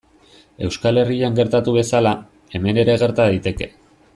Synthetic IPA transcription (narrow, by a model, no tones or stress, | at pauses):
e̞wskale̞riaŋɡe̞ɾt̪at̪uβ̞e̞sala | e̞me̞ne̞ɾe̞ɣ̞e̞ɾt̪aðit̪e̞ke̞